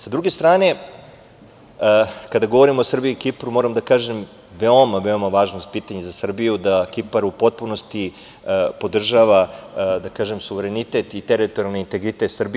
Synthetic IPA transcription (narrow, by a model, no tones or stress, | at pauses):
sad̪ɾuɡe̞st̪ɾaːne̞ | kad̪aɡo̞ʋo̞ɾimoosr̩biikipɾumo̞ːɾamd̪akaːʒem | ʋeomaʋe̞omaʋaːʒnost̪̚piːt̪aɲezasr̩bijud̪akipaɾupo̞t̪̚puno̞st̪i | po̞d̪r̩ʒaʋad̪akaːʒe̞msuʋe̞ɾenit̪et̪it̪eɾit̪oɾijalneint̪e̞ɡɾit̪et̪srbi